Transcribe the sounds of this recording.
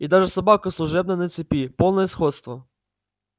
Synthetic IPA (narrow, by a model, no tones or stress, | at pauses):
id̪ɑʒɛsɐbɑkɐslˠʊʒɛbnɐnɛt̪sʲɪpʲipɔlˠnɔjɛsxɔt̪st̪ʋɐ